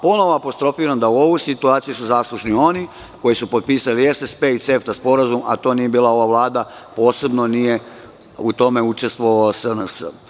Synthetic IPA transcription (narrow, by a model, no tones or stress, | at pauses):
po̞no̞ʋoapo̞st̪ɾo̞fiːɾand̪auo̞ʋujsit̪uaːt̪sijusuzaːslˠuʃnio̞ni | ko̞jisupo̞t̪̚piːsaliesespe̞it̪se̞ft̪aspo̞ɾazuma̰t̪o̞ːnije̞biːlˠao̞ʋaʋlˠaːd̪apo̞ːse̞bno̞nije̞ | ut̪o̞me̞ut͡ʃe̞st̪ʋoʋasənəsə̰